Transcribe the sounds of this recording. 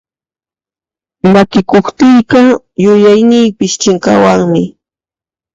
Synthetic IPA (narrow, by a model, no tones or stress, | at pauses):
makɪkoχt̪ɪjkɑ | jʊjajnɪjpɪʃt͡ʃɪŋkɑ̰waŋmɪ